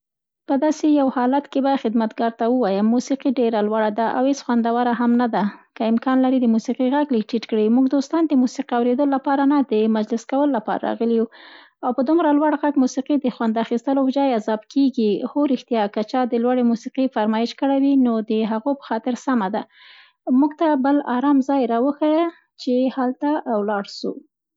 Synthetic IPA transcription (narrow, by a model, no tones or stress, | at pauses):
pəd̪ɑsejawhɑlat̪kebaxɪd̪mat̪ɡɑɾt̪awəwɑjəmːusiqiɖeɾalwaɽad̪aʔa̰whesxwand̪awaɾaɦamnad̪akəɪmkɑnlaɾid̪əmusiqiɣaɡlik̚ʈiʈkɽimuɡd̪ost̪ɑnd̪əmusiqiawɾed̪əlolːapɑɾanad̪əmad͡ʒlɪskawəlolapɑ̰ɾa̰ɾɑ̰ɣəliwu | awpəd̪umɾalwaɽɣaɡmusiqid̪əxwand̪axist̪əlod͡ʒɑjazɑbkʰeɡihoɾɪxt̪ijɑkat͡ʃɑd̪əlwaɽemusiqifaɾmɑjɪʃkəɽawinod̪əɦaɣopə̥xɑt̪ɪɾsamad̪a | muɡt̪abəlaɾɑmzɑjɾɑwəxaj | t͡ʃehalt̪awlɑɽʃṵ